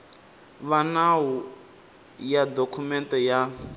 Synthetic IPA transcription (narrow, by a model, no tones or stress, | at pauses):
βanawu | jadokʰumɛntʼɔja